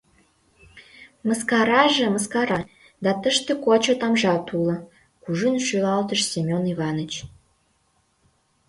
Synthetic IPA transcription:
məskɑɾɑʒĕməskɑɾɑ | d̪ɑt̪əʃt̪ĕkot͡ɕot̪ɑmʒɑt̪ulɤ̆ | kuʒynʃylɑlt̪əʃsʲemʲoniβɑnot͡ɕ

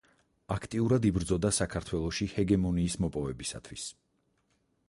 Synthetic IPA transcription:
akʰt̪ʼiuɾad̪ibɾd̪zɔd̪asakʰaɾt̪ʰwɛlˠɔʃihɛɡɛmɔniːsmɔpʼɔvɛbisa̰t̪ʰwis

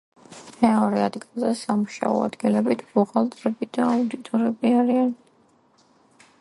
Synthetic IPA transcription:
mɛɔɾɛad̪ɡilˠzɛsamuʃa̰ɔ̰a̰d̪ɡilɛbit̪ʰbuʁalˠt̪ʼɾɛbid̪aːud̪it̪ʼɔɾɛbiaɾian

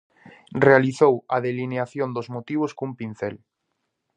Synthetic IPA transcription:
realiθowaðelineaθjond̪ozmot̪iβ̞oskumpin̟θel

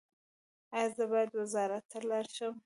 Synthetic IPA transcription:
azəbɑjad̪wɪzɑɾat̪ʰːalaɾʃəm

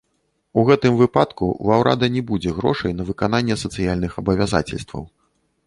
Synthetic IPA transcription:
uɣɛt̪ɨmvɨpat̪kṵvawɾʔa̰d̪ɐnʲɛbud͡zʲɛɣɾɔ̰ʂɐjn̪ɐvɨkan̪anʲːɛsɐt̪sɨjalʲnɨxɐbɐvʲaza̰t͡sʲɛ̰lʲst̪vɐ̰w

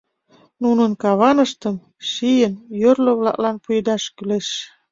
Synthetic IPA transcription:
nunənkɑβɑnəʃt̪əm | ʃijənjørlə̆βlɑ̰klɑnpujed̪ɑʃkyleʃ

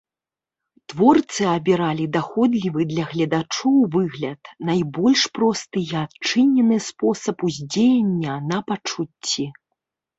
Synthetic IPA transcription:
t̪vɔrt̪sɨɐbʲiɾalʲid̪axɔd̪lʲivɨd̪lʲɐɣlʲɐd̪at͡ʂɔwvɨɣlʲɐt̪najbɔlʲʂpɾɔst̪ɨjɛatt͡ʂɨnʲːɛnɨspɔsɐpuzʲd͡zʲejanʲːɐnɐpat͡ʂut͡sʲːi

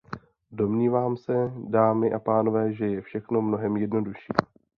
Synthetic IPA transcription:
do̞mɲiːvaːmsɛdaːmɪʔapaːno̞vɛːʒɛjɛfʃɛxno̞mno̞ɦɛmjɛdno̞duʃiː

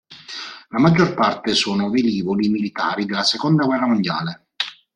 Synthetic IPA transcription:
lamad͡ʒːorpart̪esoːnoveliːvolimilit̪a̰ːɾid̪elːasekond̪aɡwɛrːamond̪ja̰ːle

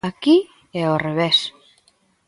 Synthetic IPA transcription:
aki | eorβes

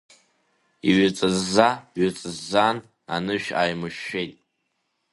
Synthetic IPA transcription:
iɥat͡sʼɨzːaɥat͡sʼɨzːan | anɨʃᶣaːjmɨʃːejtʼ

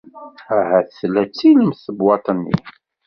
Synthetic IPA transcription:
æɦæθlæt͡sːiləmθəbwɑt̪ˤənːḭ

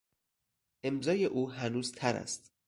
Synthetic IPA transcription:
ʔe̞mzɒːje̞ʔuːɦænuːzt̪ʰæɾæ̰st̪

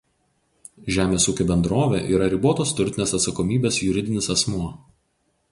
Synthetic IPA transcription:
ʒʲæːmʲeːsuːkʲobʲɛnd̪ɾoːʋʲḛːʔiːɾɐɾʲɪboːt̪oːst̪ʊɾʲt̪ʲɪnʲeːsɐt̪sɐkɔmʲiːbʲeːsjʊɾʲɪd̪ʲɪnʲɪsɐsmuɐ

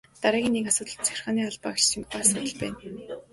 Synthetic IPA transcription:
t̪aɾaːɣʲiːnːekasʊːt̪ə̆ɮt̪t͡sʰæ̥xɪ̥̆rχaːniːaɮpa̰ːkt͡ɕt͡ɕʰĭmpasʊːt̪ə̆ɮpæ̰ːn

